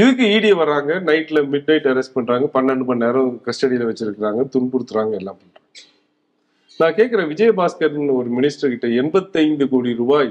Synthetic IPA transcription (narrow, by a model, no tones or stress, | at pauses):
ɪðɯk̬ːɯiːɽijɐʋɐɾːaːŋɡɐnɐɪʈːɪlɐmɪɖnɐɪʈːɐɾɛsʈ̚pɐɳɾaːŋɡɐpɐnːɐɳɖɯpɐɳːeːɾɐ̃kɐsʈɐɽɪjɪlɐʋɐt͡ʃːɪɾɯkːɪɾaːŋɡɐt̪ʊnpʊɽɯt̪ːɯɾaːŋɡɐɛlːaːmpɐɐ | nãːkeːkːɐɾɐʋɪd͡ʒɐjɐbaːskɐɾnɔɾɯmɪnɪsʈɐɾkɪʈːɐɛnbɐt̪ːɐɪnd̪ɯkoːɽiɾʊbaːj